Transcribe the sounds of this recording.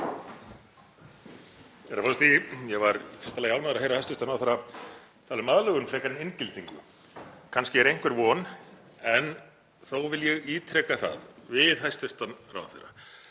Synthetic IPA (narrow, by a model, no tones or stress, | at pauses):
ɛɾafɔlst̪ijɛɣvaɾfɪst̪alɛjawnaðɾðɦejɾahajst̪ʏst̪anawθejɾːa | t̪ʰalʏmaðlœɣʏnfɾɛːkaɾɪnɪncɪlt̪iŋkʏ | kʰanscɪɛɾejŋ̥kvɛɾvɔːn | ɛn | θowvɪljɛɣiːt̪ʰɾɛkaθa̰ðvɪðɦajst̪ʏst̪anɾa̰w̰θḛjɾːa